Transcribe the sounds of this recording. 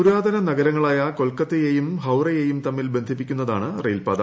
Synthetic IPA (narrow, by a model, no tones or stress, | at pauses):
uɾaːd̪ʱɐnɐnɐɣɐɾɐŋːɐɭaːjɐko̞lkːɐt̪ːejejumɦɐwrɐjejumt̪ɐmːilbe̞nd̪ʱip̬ːikʲːunːɐða̰ːɳɨrejlpaːd̪ɐ̰